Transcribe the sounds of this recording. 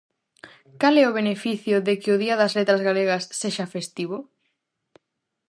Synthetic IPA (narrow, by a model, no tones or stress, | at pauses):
kalɛʊβ̞enefiθjʊðekɪʊðiɐðɐzlet̪ɾɐzɣaleɣ̞ɐsːeʃafest̪iβ̞ʊ